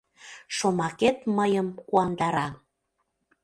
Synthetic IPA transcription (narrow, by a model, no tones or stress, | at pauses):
ʃomɑket̪məjəmkuɑnd̪ɑɾɑ